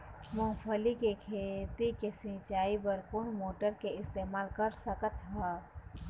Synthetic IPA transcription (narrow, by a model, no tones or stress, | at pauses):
mõːpʰəlikekʰeːt̪ikesĩt͡ʃaːibəɾkʊɳmoːʈəɾkeɪst̪eːmaːlkəɾsəkət̪ɦɛː